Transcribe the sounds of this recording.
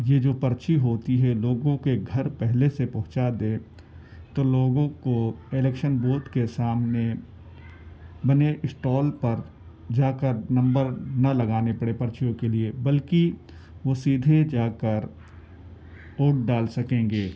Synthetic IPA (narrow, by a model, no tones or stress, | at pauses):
jed͡ʒoːpɐɾt͡ʃiɦoːt̪iɦɛloːɡõkeɡʱɐɾpɛɦlesepɐɦʊ̃t͡ʃad̪ẽː | t̪oːloːɡõkoɪlɛːkʃənboːt̪kesaːmne | bɐneʔɪsʈɔːlpɐɾ | d͡ʒaːkəɾnɐ̃mbəɾnɐlɐɡaːnepɐɽepɐɾt͡ʃijõkeliebɐlki | ʋoːsiːd̪ʱed͡ʒaːkəɾ | oːʈ̚ɖaːlsɐkẽːŋɡeː